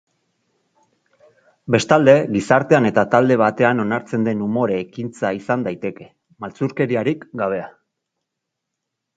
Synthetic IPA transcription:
be̞st̪ald̪e̞ɣisaɾt̪e̞ane̞t̪at̪ald̪e̞β̞at̪e̞ano̞naɾt͡se̞nd̪e̞numo̞ɾeːkint͡saisand̪ajt̪e̞ke̞ | malt͡suɾke̞ɾiaɾikɡaβ̞e̞a

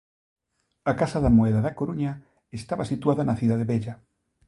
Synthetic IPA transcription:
akasaðamoɛðaðakoɾuɲa | est̪aβasit̪waðanaθjuðaðeβeʎa

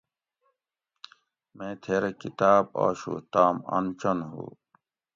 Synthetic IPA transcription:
mẽːt̪ʰeːɾekit̪aːba̰ːɕṵt̪aːmɐ̰nt͡ɕɐnɦṵ

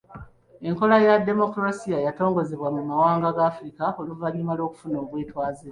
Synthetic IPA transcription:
e̞ŋko̞lajadːe̞mo̞kuɾasijajato̞ːŋɡo̞ze̞βwamumawaːŋɡaɡaːfuɾikaoluvalimalo̞ːku̥funoːβwe̞ːtwaːziɾa

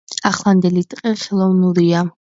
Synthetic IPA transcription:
aχlˠand̪ɛlit̪ʼqʼɛχɛlˠɔvnuɾia

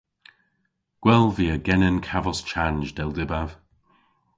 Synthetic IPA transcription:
ɡ̥wɛlˠviəɡɛnənkʰavɔst͡ʃʰanʒdɛlˠdɪbav̥

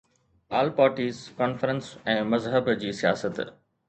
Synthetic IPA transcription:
aːlpaːɾʈiːzkɔːnfəɾə̃nsɛ̃ːmɐzɦəbd͡ʑiːsijaːsət̪

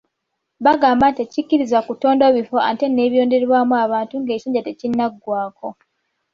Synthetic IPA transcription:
βaɡaːmbantecicːiɾizakuto̞ːndo̞βifo̞ate̞ne̞ːβjo̞ːnde̞ɾβwamuaβaːntuŋɡe̞ːsoːɲɟate̞cinːaɡːwaːko̞

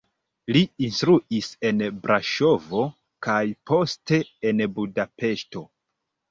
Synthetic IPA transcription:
liinstɾuise̞nbɾaʃo̞vo̞ | kajpo̞ste̞ːnbudape̞ʃto̞

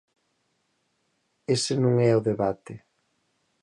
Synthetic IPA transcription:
esɪnõŋɛʊðeβat̪ɪ

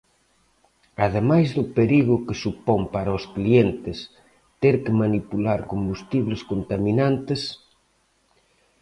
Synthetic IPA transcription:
aðemajzðʊpeɾiɣʊkesupoŋpaɾɐʊsklient̪ɪs | t̪eɾkɪmanipulaɾkombust̪iβleskont̪aminant̪ɪs

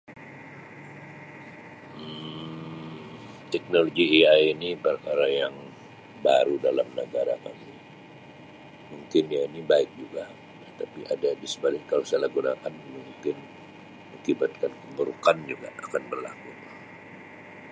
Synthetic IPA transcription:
ə | t̪ɛk̚noloɡiiajinibəɾkaɾajaŋ | baɾudalamnəɡaɾa̰ka̰mi | muŋkɪnjainibaɪk̚d͡ʒuɡa | t̪ət̪apiʔadadisəbalɪkalosalaɡunakanmuŋkɪn | məkibat̪̚kankəmbəɾukand͡ʒuɡa̰akanbərla̰kut̪

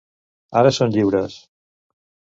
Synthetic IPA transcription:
aɾəsonʎiβɾəs

